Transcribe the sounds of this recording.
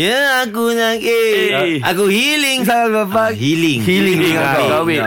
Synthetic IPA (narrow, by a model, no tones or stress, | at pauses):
jəakunãkeakuhilɪŋsaalbapahilɪŋhilĩŋŋãaabi